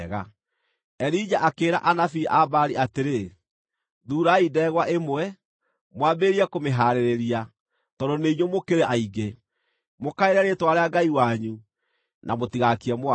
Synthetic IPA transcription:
ɣa | ɛɾid͡ʒaʔakeːɾa̰ʔanafiʔabaɾiʔateɾe | ðuːɾaidɛːɣwaʔemwɛ | mwaːbeɾiakomeɦaːɾeɾeɾia | tɔdɔneiɲomokeɾeʔaiɡe | mokaeɾɛɾetwaɾeaɡaiwaɲu | nʔamotiɣakiɛmoa

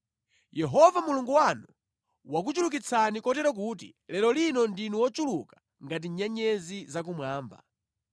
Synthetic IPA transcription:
jɛɦɔvamuluŋɡuwanu | wak̬ut͡ʃuluk̬it͡sʰanikɔtɛɾɔk̬uːtḭ | lɛlɔlinɔndinuwɔt͡ʃulukḁ | ŋɡat̬iɲaɲɛzizak̬umwaːmba̰

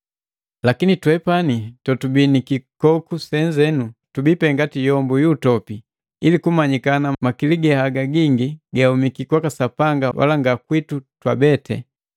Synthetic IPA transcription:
lakinitwɛpanitɔtubinikikɔkusɛɲd͡ʒɛnutubipɛŋɡatijɔmbujuːtɔpi | ilikumaɲikanamakiliɡɛhaɡaɡiŋɡiɡaumikikwakasapaŋɡawʔa̰laŋɡakwitutwabɛtʰɛ̰

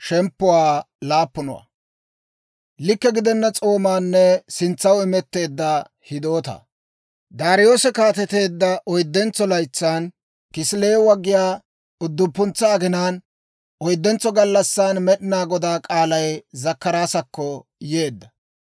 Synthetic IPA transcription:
ʃɛmpːʊwaː | laːpːʊnɔ̰wa̰ | lɪkːɛɡɪd̪ɛnːɐt͡sʼo̞ːmaːnːɛsɪnt͡sːɐwɪmɛt̪ːe̞ːd̪ːɐ | hɪd̪oːt̪ɐ̰ | d̪aːɾɪjo̞ːsɛkaːt̪ɛt̪e̞ːd̪ːɐʔɔjd̪ːɛnt͡sːɔlɐjt͡sːaːn | kɪsleːwɐɡːɪjaː | ʊd̪ːʊpːʊnt͡sːaːɡɛnaːn | ʔɔjd̪ːɛnt͡sːɔɡɐlːɐsːaːnmɛɗɪnaːɡɔd̪aːkʼaːlɐjzɐkːɐɾaːsɐkːɔje̞ːd̪ːɐ

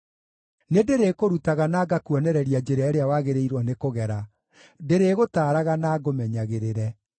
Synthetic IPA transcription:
nedeɾeːkoɾutaɣanaːɡakuɔnɛɾɛɾiad͡ʒeɾɛaɛɾeawaɣeɾeiɾwɔnekoɣɛɾa | deɾeɣotaːɾaɣanaɡomɛɲaɣeɾeɾɛ

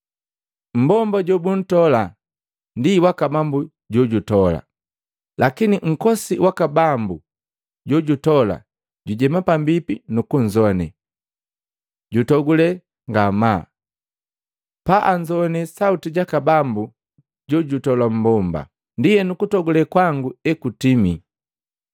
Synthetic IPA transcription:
m̩bɔmbaɟɔbun̩tɔla | ndiwakabambu | ɟɔɟutɔla̰ | lʔakiniŋ̩kɔsiwʔakabambu | ɟɔɟutɔla̰ | ɟuɟɛmapambipinukuɲd͡ʒɔnɛ̰ | ɟutɔɡulɛ | ŋɡama | paʔaɲd͡ʒɔnɛsautiɟakabambu | ɟɔɟutɔlam̩bɔmba̰ | ndijɛnukutɔɡulɛkwaŋɡuɛkutimi

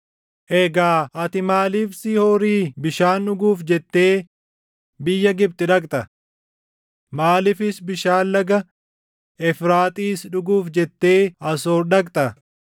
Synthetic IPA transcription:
ʔɛɡaːɐt̪ɪmaːliːfsihoːɾiːbɪʃaːnᶑʊɡuːfd͡ʒɛt̪ːe̞ː | bɪjːɐɡɪb̚t̪ɪᶑɐkʼt̪ɐ | maːlɪfɪsbɪʃaːllɐɡɐ | ɛfɾaːt̪ʼiːsᶑʊɡuːfd͡ʒɛt̪ːe̞ːɐsoːɾᶑɐkʼt̪ɐ

